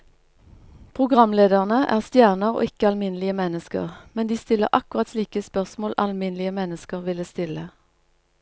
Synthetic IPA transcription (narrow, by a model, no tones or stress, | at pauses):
pʰʁʊɡʁɑmleːd̪əʁnəʔæ̰ːʁst̪jæːʁnəʁo̰ːɪkəɑlmɪnlɪəmɛnəskə̰ʁmɛnd̪iːst̪ɪlə̰ʁʔɑkʊʁɑt̪sliːkəspœʁsmoːlʔɑ̰lmɪnlɪəmɛnəskəʁʋɪləst̪ɪlə